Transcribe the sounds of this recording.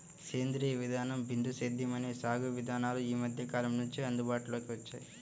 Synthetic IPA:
keːnd̪ɾiːɐʋid̪ʱaːnɐmbind̪ʱused̪ʱːimɐneːsaːɡuʋid̪ʱaːnaːluiːmɐd̪ʱjɐkaːlɐmnuɲt͡ʃiɐnd̪ubaːʈulo̞ːkiʋɐt͡ʃːa̰ːji

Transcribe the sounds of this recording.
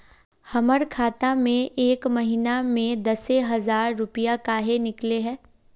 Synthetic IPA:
hɐməɾkʰaːt̪amẽʔeːkmɐɦinamẽd̪ɐseɦɐzaːɾːʊpijakaːɦenɪkleɦɛ̃ː

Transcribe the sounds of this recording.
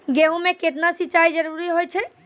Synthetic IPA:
ɡeɦũmeket̪nasit͡ʃajd͡ʒəɾuɾiɦojt͡ʃʰɛ

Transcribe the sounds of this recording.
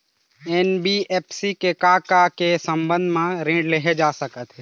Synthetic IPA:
eːnbieːpʰsikekaːkakesə̃mbə̃nd̪ʱmãɾẽːɖleɦed͡ʒaːsəkət̪ɦɛː

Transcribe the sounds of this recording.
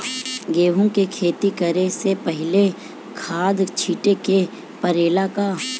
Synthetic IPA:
ɡeːʋõkekʰeːt̪ikɐɾesepəɦɪle | kʰaːd̪t͡ʃʰiːʈeke | pəɾeːlaka

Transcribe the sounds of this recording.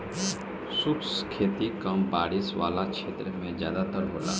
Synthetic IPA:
sʊkskʰeːt̪ikɐmbaːɽisʋa̰ːlakʃʰeːt̪ɾəmẽzjaːd̪at̪əɾɦoːla̰ː

